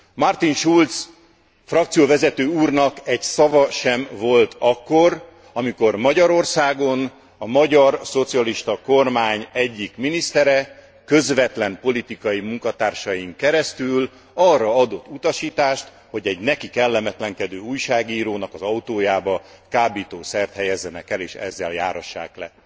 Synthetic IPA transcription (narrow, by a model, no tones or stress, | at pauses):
mɒrt̪inʃult̪s | frɒkt̪sijoːvɛzɛt̪øːuːrnɒkɛɟsɒvɒʃɛmvo̞lt̪ɒkːo̞r | ɒmiko̞rmɒɟɒɾo̞rsaːɡo̞n | ɒmɒɟɒrso̞t̪siɒliʃt̪ɒko̞rmaːɲɛɟːikminist̪ɛɾɛ | kø̞zʋɛt̪lɛmpo̞lit̪ikɒjimuŋkɒt̪aːrʃɒjiŋkɛɾɛst̪yl | ɒrːɒɒd̪o̞t̪ːut̪ɒʃiːt̪aːʃt̪ | ho̞ɟɛɟnɛkikɛlːɛmɛt̪lɛŋkɛd̪øːuːjʃaːɡiːɾoːnɒkɒzɒut̪oːjaːbɒkaːbiːt̪oːsɛrt̪hɛjɛzːɛnɛkɛleːʃɛ̰zːɛ̰lja̰ːɾhɒʃːa̰ːklɛ̰